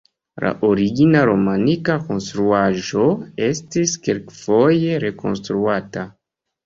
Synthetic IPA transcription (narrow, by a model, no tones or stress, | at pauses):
la̰ʔoɾiɡinaɾo̞manikako̞nstɾuaʒo̞e̞stiskelkfo̞je̞ɾe̞ko̞̰nstɾuata